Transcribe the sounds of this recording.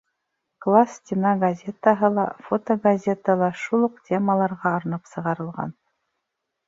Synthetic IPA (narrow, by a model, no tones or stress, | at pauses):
klˠastʲɪnɑɡɐzʲet̪əɦɤlˠɑ̰fot̪oɡazʲet̪əlˠɑʃulˠɤqtʲeməlˠɑɾʁɑːɾnɤpsɤ̆ʁɑɾɤ̆lˠʁɑ̰n